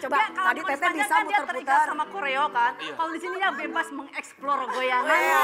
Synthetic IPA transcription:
t͡ʃobat̪adit̪et̪ɛbisamut̪ərpput̪əamakoɾeokankalodisinijabebasməŋɛksplɔrɡojaɛ

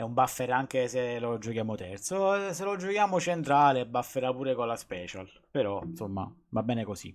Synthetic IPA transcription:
ɛumbafːɛɾaŋk̟eselod͡ʒokjaːmot̪ɛrt̪soselod͡ʒokjaːmot͡ʃent̪ɾaːlebːafːeɾapuːɾekolːaspɛːt͡ʃal | peɾɔnsomːa̰vabːɛːnekosḭ

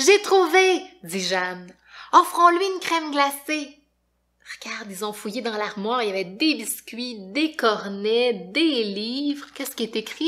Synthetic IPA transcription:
ʒet̪χuved͡z̪iʒan | ɔ̃fʁɔ̃lɥiynkχɛmɡlase | ʁəɡ̥ʲaʁd̪ilzɔ̃fujed̪ɑ̃laʁmwɑːʁeljavɛd̪ebiskʲɥid̪ekɔʁnɛd̪elivʁkʲɛskʲiɛt̪ekχi

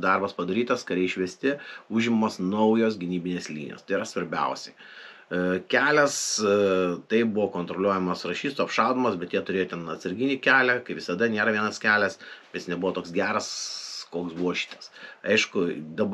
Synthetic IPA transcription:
d̪ɐrbɐspɐd̪ɐɾʲiːt̪ɐskɐɾʲɛɪʃʲʋʲiɛsʲt̪ʲɪuʒʲɪmmoːsnɐʊjoːsɡʲɪnʲiːbʲɪnʲeːslʲḭːnʲjo̰ːst̪ɐɪɾɐsʋɐɾʲbʲɛ̰ʊsʲɛɪ | kʲæːlʲɛs | t̪ɐɪbʊʋoːkoːnt̪ɾolʲuɔjɛmɐsrɐʃʲiːst̪uːɐpʃɑlˠd̪omɐsbʲɛt̪jiɛt̪ʊɾʲeːjoːt̪ʲɛnɐt̪sɐɾʲɡʲɪnʲiːkʲæːlʲækɐɪʋʲɪsɐd̪ɐnʲeːɾɐʋʲiɛnɐskʲæːlʲɛsbʲjɪsnʲɛbʊʋɔːt̪oːksɡʲæːɾɐskoːksbuɔːʃʲi̥ːt̪ɐsɐɪʃkʊd̪ɐb

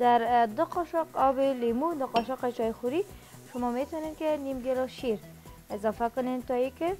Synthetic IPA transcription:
d̪aɾd̪ʊqɔʃɔqɔbɪlimud̪ʊqɔʃɔqet͡ʃɔjxuɾi | ʃʊmɔmet̪ɔnenkenimɡeɾɔʃiɾ | ɪzɔfakʊnent̪ɔikɪ

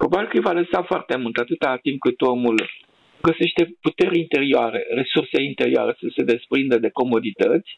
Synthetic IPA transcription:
pɾo̞babʲilkəjvaləsafoart̪e̞mult̪at̪ɨt̪at̪imp̚kɨt̪o̞mul | ɡəse̞ʃt̪e̞put̪e̞ɾʲint̪e̞ɾioaɾe̞̰resurseint̪e̞ɾioa̰ɾesəse̞d̪e̞spɾind̪ed̪e̞ko̞mo̞d̪it̪ət̪sʲ

